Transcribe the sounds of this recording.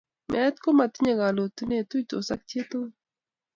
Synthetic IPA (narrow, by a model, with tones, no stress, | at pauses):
mʔɛ˨˦t̪ko˦ma˨t̪i˦ɲa˨ɡa˨lo˨t̪u˦ne˨t̪u˦to̰˨sa˦k̚t͡ʃe˦t̪o˦